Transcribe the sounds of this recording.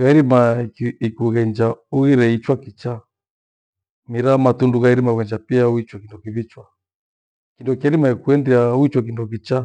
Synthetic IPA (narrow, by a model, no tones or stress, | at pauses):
ɣaiɾimaikuɣɛɲd͡ʒauɣiɾɛit͡ʃwakit͡ʃa | miɾamatunduɣaiɾimauɣɛɲd͡ʒapiauit͡ʃwakindɔkiβit͡ʃwa | kindɔkiɛɾimaikuɛndiauit͡ʃwak̬indɔk̬it͡ʃa